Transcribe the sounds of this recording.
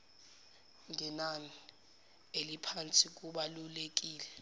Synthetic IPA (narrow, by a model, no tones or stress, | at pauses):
ŋɛnani | elipʰant͡sʼik̬ʼuɓalulek̬ʼiːlɛ